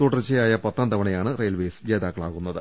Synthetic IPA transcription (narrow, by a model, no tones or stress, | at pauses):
t̪oːʈːɐrt͡ɕːejaːjɐpɐt̪ːrɐmd̪ɐʋɐɳɐjaːɳɨrejɐlʋeːsd͡ʑeːd̪aːkːɐɭaːɣunːɐðɨ